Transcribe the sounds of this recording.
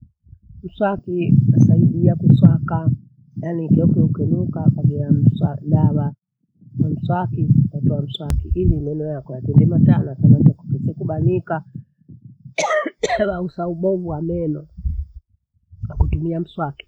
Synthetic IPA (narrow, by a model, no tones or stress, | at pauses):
m̩swakinasaiɗiakuswaka | janikɛɔkukɛnukakaɗiam̩saɗawa | nam̩swakinatɔam̩swakḭʔilinɛnɔjakɔjatɛndɛmatanɔatamanid͡ʒaku̥pɛsɛkuɓaɲika | wausauɓɔvuwamɛnɔ | nakutumiam̩swaki̥